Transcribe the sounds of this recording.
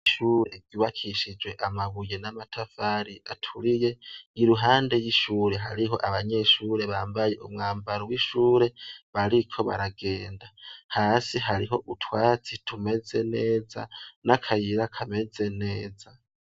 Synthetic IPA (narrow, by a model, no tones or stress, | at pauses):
ʃuːɾe̞̰ɟuːβakʰiʃid͡ʒwe̞ʔamaɡuje̞namatʰafaːɾiʔatʰuɾije̞iɾuɦaːnde̞jiʃuːɾe̞ɦaɾiɦo̞ʔaβaɲe̞ːʃuːɾe̞βaːmbaje̞ʔumŋaːmbaɾowiʃuːɾe̞βaɾikʰo̞βa̰ɾaɡe̞ːndahaːsiɦaɾiɦo̞ʔutʰwaːt͡sitʰume̞ze̞neːza̰nakʰajiɾakʰame̞d͡ze̞neːza